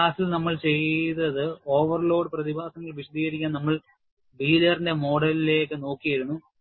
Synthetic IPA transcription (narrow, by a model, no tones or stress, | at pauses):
aːsilnɐmːɐɭt͡ɕe̞jðɐðɨo̞ːʋɐrlo̞ːɖɨprɐðibʱaːsɐŋːɐɭʋiɕɐd̪ʱiːɣɐɾikʲːaːnɐmːɐɭ | biːlɐrinde̞mo̞ːɽɐlile̞ːkːɨno̞ːkːijɐjiɾunːu